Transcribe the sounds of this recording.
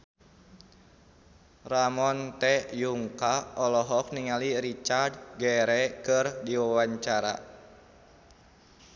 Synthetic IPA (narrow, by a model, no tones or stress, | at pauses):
ramɔnt̪ɛjuŋkaɔlɔɦɔk̚niŋaliɾit͡ʃard̚ɡɛɾɛkɨrdiwawaɲt͡ʃaɾa̰